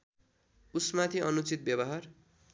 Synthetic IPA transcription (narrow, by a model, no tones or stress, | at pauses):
usmat̪ʰiʌnut͡sit̪̚bjʌβʌɦar